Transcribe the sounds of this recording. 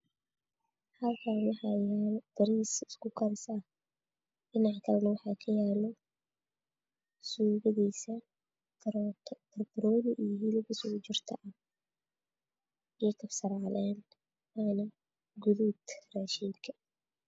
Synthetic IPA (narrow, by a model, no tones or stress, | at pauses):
hɐlkʰaːnwɑħɑːjaːld̪̥ɐɾiːsɪ̥skʰʊkʰɐɾɪs | ɖɪnɑʕkʰɐlɐnɐwɑħɑːkʰɐjaːlɔ | suːɣɐðiːsɐ | t̪ʰɐrb̪ɾɔːlɪʔijɦilɪbɪsʊt͡ʃɪrt̪ʰɐʔɐ | ɛːkʰɐfsɐɾʕɑlɛːn | anɪ | ɡʊðud̪raːʃiːŋkʰɐ̥